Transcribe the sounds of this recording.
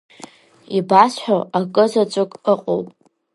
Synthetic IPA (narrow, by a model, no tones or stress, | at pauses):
ibasħᶣaakʼɨzat͡ʃʷʼʊkʼəqʼo̰wpʼ